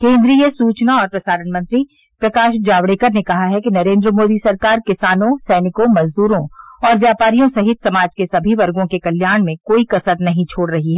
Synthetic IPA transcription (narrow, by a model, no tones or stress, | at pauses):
kẽːnd̪ɾiːjəsuːt͡ʃnaɔːɾpɾɐsaːɾəɳmɐ̃nt̪ɾi | pɾɐkaːʃd͡ʒaːʋɽeːkəɾnekɐɦaɦɛkinɐɾẽːnd̪ɾəmoːd̪isɐɾkaːɾkɪsaːnõsɛːnɪkõmɐzd̪uːɾõɔːɾʋjaːpaːɾijõsɐɦɪt̪̚ʰsɐmaːd͡ʒkesɐbʱiʋɐɾɡõkekɐljaːɾɽ̃mẽkoːikɐsəɾnɐɦĩt͡ʃʰoːɽɾɐɦiɦɛː